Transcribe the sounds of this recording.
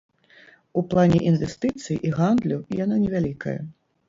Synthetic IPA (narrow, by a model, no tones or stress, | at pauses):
uplˠanʲɛʔinvʲɛst̪ɨt̪sɨjʔiɣand̪lʲɐwjananʲɛvʲalʲikɐ̰jɐ̰